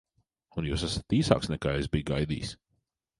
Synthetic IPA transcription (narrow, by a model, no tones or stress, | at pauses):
unjuːsasḁt̪iːsa̰ːksnɛkaːezbijɡajd̪ḭːs